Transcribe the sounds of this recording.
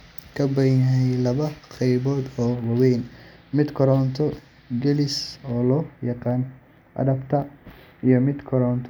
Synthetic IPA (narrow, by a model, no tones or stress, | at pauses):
kʰɐbɐjɐɦɛjlɐβɐqɛjβɔːd̪ɔːwɑwɛjnmɪd̪kʰɔɾɔːnt̪ʰɔ | ɡɛlɪsɔːlɔːjɑqɑːn | ʔɐ̰dɐbt̪ʰɐ | ijɔmɪd̪kʰɔɾɔːnt̪ʰ